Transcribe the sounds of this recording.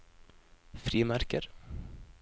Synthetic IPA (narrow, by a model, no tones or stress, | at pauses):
fɾiːmaɾ̥kɪɾ̥